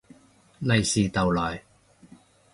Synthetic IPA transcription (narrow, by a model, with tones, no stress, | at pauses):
lɐ˨jsiː˨t̪ɐ˨wlɔː˨˩j